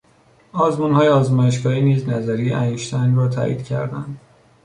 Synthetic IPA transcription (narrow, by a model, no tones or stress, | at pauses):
ɒːzmuːnhɒːjeɒːzmæʃ̬kɒːiːniːznæzæɾijeʔæjuʃt̪ʰænrɒːt̪ʰæ̰ːʔḭːd̪cʰæ̰ɾd̪æ̰nd̪̥